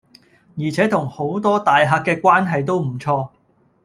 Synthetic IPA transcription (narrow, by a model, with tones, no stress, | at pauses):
jiː˨˩t͡sʰɛː˨˥t̪ʰʊ˨˩ŋho˨˥wt̪ɔː˥t̪aː˨jɦaː˧kːɛː˧kʷwaː˥nɦɐ˨jt̪̬o˥wm̩˨˩t͡sʰɔː˧